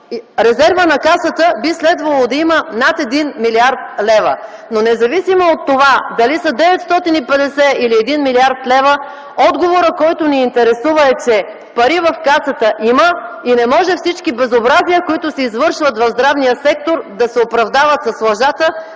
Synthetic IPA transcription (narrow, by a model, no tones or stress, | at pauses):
ɾɛzɛɾvənɐkasət̪əbislɛd̪vɐlˠod̪ɐimənat̪ɛd̪inmiliaɾt̪lɛvə̰ | nonɛzɐvisimoot̪ːovad̪ɐlisəd̪ɛvɛt̪st̪ɔt̪inipɛd̪ɛsɛiliɛd̪inmiliaɾt̪lɛvə | ɔd̪ɡovoɾəkɔjt̪ʊniːnt̪ɛɾɛsuvəɛt͡ʃɛ | pɐɾivɐfkasət̪əʔiməinɛmɔʒɛfsit͡ʃkibɛzobɾaziəkoit̪ʊsɛizvɤɾʃvət̪vɐvzd̪ɾavnijəsɛk̚t̪oɾd̪ɐsɛopɾɐvd̪avət̪sɐslˠɐʒat̪ə